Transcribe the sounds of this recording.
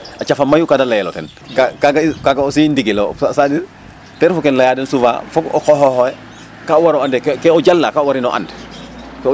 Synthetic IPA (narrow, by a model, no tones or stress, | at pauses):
at͡ʃafamːajukadalajɛlo̰tɛ̰n | kakaɡakaɡaosindiɡilosasadiɾ | tɛɾfɔkɛnlajadɛnsuva̰fɔɡɔ̰kɔɦɔhoɛ | kaowaɾɔandɛkkɛɔɟalːakaowaɾinɔ̰ʔa̰ndk